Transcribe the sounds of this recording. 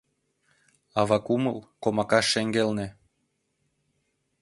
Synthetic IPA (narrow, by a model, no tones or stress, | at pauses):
ɑβɑkumə̰lkomɑkɑʃːeŋɡelnĕ